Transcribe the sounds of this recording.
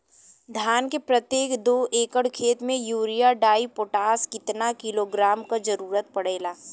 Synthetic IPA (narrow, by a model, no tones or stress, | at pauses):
d̪ʱjaːnkepɾɐt̪jeːkd̪oːʔeːkəɽkʰeːt̪mẽjuːɾijaɖaːipoːʈaːskɪt̪nakɪloɡɾaːmkad͡ʒɐɾuːɾət̪̚pɐɽ̤eːlaː